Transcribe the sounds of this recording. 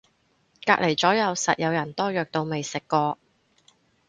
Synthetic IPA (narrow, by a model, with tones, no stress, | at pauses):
kaː˧˥k̚le˨˩jt͡sɔː˨˥jɐ˨˧wsɐ̰˨t̚jɐ˨˧wjɐ˨˩nt̪ɔː˥jœː˨k̚t̪o˧wme˨jsɪ˨kːɔː˧